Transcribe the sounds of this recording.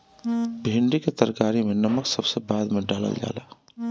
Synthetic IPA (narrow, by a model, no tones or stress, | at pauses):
bʱeːɳɖiket̪ɐɾkaːɾimẽnɐməksɐbsebaːd̪mẽɖaːlə̰ld͡ʒa̰ːlaː